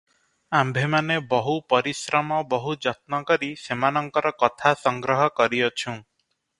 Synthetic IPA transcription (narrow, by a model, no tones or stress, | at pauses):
ambʱemanebɔɦupɔɾisɾɔmɔbɔɦud͡ʒɔt̪̚nɔkɔɾisemanɔŋkɔɾɔkɔt̪ʰasɔŋɡɾɔɦɔkɔɾiɔt͡ʃʰũ